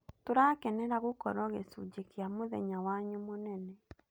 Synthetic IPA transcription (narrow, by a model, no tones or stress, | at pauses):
toɾaːkɛnɛɾaɣokɔɾɔɣesṵd͡ʒekjamoðɛɲawaɲumonɛnɛ